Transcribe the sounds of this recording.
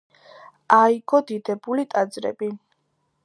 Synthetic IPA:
aiɡɔd̪id̪ɛbulit̪ʼad̪zɾɛ̰bi

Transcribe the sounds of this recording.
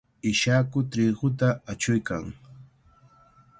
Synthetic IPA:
ɪʃakʊt̪ɾiɢʊt̪̬aat͡ʃʊjka̰ŋ

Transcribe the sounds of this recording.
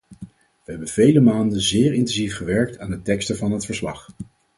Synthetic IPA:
ʋəɦɛbənv̥ejləmaːndənzɪːɹɪntɛnzifχəʋɛɹk̚taːnətɛkstəvɑnɦətfəɹslɑ̰χ

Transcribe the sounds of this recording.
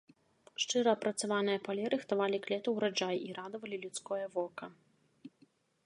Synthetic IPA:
ʂt͡ʂɨɾɐːpɾɐt̪savanɨjɐpalʲɛɾɨxt̪avalʲiklʲɛt̪ɐwɾad͡ʐajiɾad̪ɐvɐlʲilʲut̪skɔjɐvɔkɐ

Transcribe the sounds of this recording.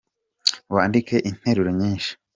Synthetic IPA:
waːndike̞ʔin̥he̞ɾuɾoɲiːnʃi̥

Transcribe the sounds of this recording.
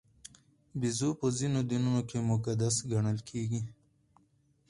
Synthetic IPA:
bizopozinod̪inunokʰemʊkad̪asɡʱɐɳəlkʰeːɡi

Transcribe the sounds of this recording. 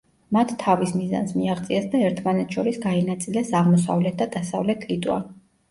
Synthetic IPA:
mat̪ʰːavismiza̰nsmiaχt̪sʼiɛsd̪aɛɾt̪ʰmanɛt̪ʰʃɔɾisɡainat̪sʼilɛsaʁmɔs̬a̰vlɛt̪̚ʰd̪ad̪̥asa̰vlɛt̪ʰit̪ʼwa̰

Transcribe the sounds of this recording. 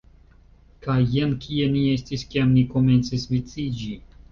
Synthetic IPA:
kajːankʰie̞nie̞stiskiamniko̞me̞nt͡sisvit͡sid͡ʒi

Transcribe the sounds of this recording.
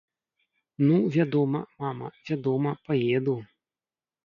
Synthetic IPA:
nuvʲad̪ɔmɐ̰mamɐ̰vʲad̪ɔmɐpajed̪u

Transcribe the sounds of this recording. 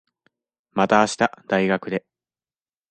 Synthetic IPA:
mat̪aːɕi̥t̪ad̪̥aiɡakɯ̟d̪e̞

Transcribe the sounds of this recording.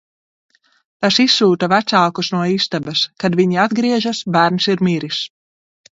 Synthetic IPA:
t̪asisːuːt̪avæt̪saːkusnuɔist̪abɐskad̪viɲiad̪ɡɾiɛʒasbæːɾnsiɾmiɾis

